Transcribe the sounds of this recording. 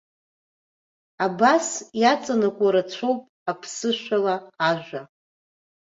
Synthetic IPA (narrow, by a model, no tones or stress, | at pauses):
abasjat͡sʼanakʷʼaɾat͡ɕʷʰo̞wpʼapʰsɨʃʷᶣalaːʒᶣʷa